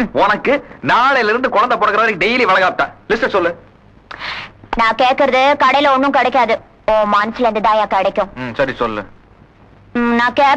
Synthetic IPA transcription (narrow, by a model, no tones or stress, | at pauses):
ɔnɐkːɯnaːɭɐjɪlɪɾɯnd̪ɯkɔɻɐnd̪ɐpɔːɽɐkːɐɾɐʋɐɾɖɛjliʋɐɭɐɣaːp̚ʈ̪ːã̰ːlɪsʈɐsɔlːɯ | nãːkeːʈ̚kɪɾɐðɯkɐɽɐjɪlɔnːʊ̃kɛɽɛkːaːðɯ | õːmaːnɐslɐɾɐnd̪ɯt̪ãːjãːkɛɽɐkʲːʊ̃sɐɾisɔlːɯ̰ | nãːkeː